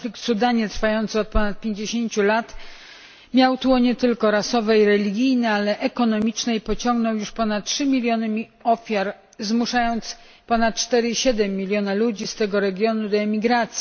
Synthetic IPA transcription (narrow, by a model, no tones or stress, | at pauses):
flʲik̚t̪sud̪aɲɛt̪ɾfajɔnt̪sɨɔt̪̚pɔnat̪̚pʲjeɲd͡ʑeɕeɲt͡ɕulat̪ | mʲjawt̪uɔɲɛt̪ɘlkɔɾasɔvɛjiɾɛlʲiɡʲijnɛalɛʔɛkɔnɔmʲit͡ʂnɛjpɔt͡ɕɔ̃ŋɡnɔwjuʂpɔnat̪̚tʂɘmʲilʲjɔnɘmʲi | ɔfʲjaɾ | zmuʂajɔnt̪s | pɔnat̪̚t͡ʂt̪ɛɾɘiɕɛd̪ɛmʲːilʲjɔnalud͡ʑist̪ɛɡɔɾɛɡʲjɔnud̪ɔɛmʲiɡɾat̪sʲji